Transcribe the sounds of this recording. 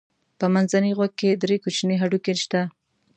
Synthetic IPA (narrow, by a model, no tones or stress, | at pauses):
pəmanzaniɣwaɡ̚kːed̪ɾekot͡ʃneɦaɖukeʃt̪a